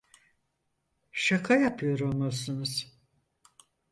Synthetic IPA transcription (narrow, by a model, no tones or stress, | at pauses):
ʃakʰajapʰɯjo̞ɾolˠmasɯnuz̥